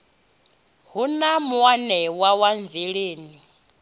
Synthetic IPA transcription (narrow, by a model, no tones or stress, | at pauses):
ɦunamuwanɛwawaɱveɺeːni